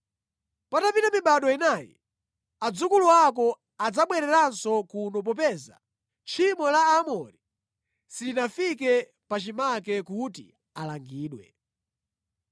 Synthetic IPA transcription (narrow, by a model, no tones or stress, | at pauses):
patapitamiɓaɗɔinaːjḭ | ad͡zukuluak̬ɔ | ad͡zaɓwɛɾɛɾansɔkunɔp̬ɔpɛza̰ | t͡ʃʰimɔlaːmɔɾi | sidinafikɛ | pat͡ʃimakɛkuti | alaŋɡiːɗwɛ̰